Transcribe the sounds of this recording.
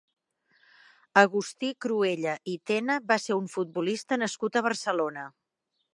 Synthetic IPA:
əɣust̪ikɾueʎəʔit̪enəβaseɾuɱfut̪̚bulist̪ənəskut̪əβ̞ərsəlonə

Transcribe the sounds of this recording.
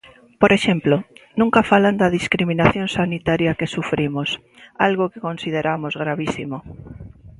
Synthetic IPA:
poɾʔeʃemplonũŋkafaland̪að̞iskɾimĩnaθjonsanit̪aɾjakesufɾimos | alɣokekonsið̞eɾʔamozɣ̞ɾaβisimo

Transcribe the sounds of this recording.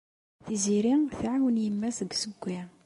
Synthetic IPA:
θiziɾiθʕawənjəmːæsəɡsəɡʷːi

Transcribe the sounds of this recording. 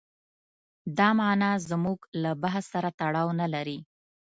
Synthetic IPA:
d̪ɑmɑnɑzmuɡlabaɦassaɾat̪aɽɑwnalaɾi

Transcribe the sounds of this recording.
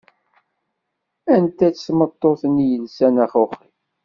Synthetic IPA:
ænt̪æt͡ssmət̪ˤːoθənjənsænæχʊχi

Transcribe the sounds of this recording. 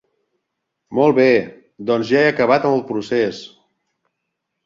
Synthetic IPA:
mɔlˠβe | d̪ɔnzʒaeəkəβ̞at̪əməlˠpɾuses

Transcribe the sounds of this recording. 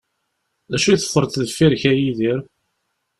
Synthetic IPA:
ðæʃujθə̥fːəɾt̪ðəfːiɾçæjiðiɾ

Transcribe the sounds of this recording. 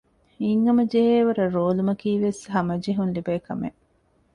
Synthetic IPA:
iŋɡɐmɐd͡ʒeɦeːʋɐɾɐɾoːlumɐkiːʋesɦɐmɐd͡ʒiɦunlibɐːkɐmḛ

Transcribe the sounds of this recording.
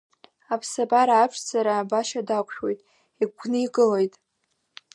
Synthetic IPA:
apʰsabaɾaːpʂd͡zaɾaːbaʃadakʷʰʼʃᶣwe̞jtʼ | iɡʷʰnɨiɡɨlojtʼ

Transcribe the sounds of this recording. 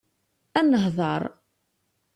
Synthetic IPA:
ænəɦðˤəɾˤ

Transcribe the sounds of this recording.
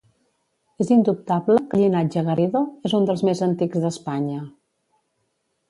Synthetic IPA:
ezind̪up̚t̪abləkəʎinad͡ʒəɣəɾiðoezund̪əlˠzmezənt̪ikzðəspaɲə

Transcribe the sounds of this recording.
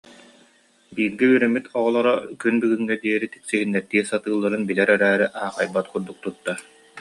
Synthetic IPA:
biːɾɡɛyːɾɛmit̪ɔʁɔlˠɔɾɔkynbyɡyŋːɛd̪iɛɾit̪i̥ksiɦinːɛɾt̪iɛsat̪ɯːlˠːaɾɯnbilɛɾɛɾæːɾiʔaːχajbat̪kuɾd̪uk̚t̪ut̪ːa

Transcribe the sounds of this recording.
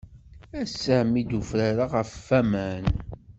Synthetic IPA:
æsəmid̪ufɾaɾaʁəffæmæn

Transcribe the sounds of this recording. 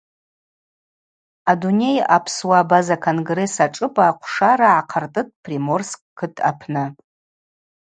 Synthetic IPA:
adune̞ja̰pʰswabazakʰonɡre̞saʈ͡ʂʼɨpʼaːqʷʰʂaɾaʕaqʰartʼɨtʼpʰrimo̞rskʼkʰɨtʼa̰pʰnɨ

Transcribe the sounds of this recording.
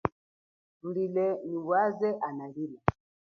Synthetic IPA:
ulilɛniβwazɛʔanalila

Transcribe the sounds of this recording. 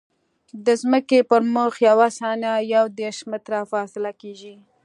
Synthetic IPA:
d̪əzməkepəɾmʊxjawasɑnajawd̪eɾʃmɪt̪ɾafɑsɪlakeʒi

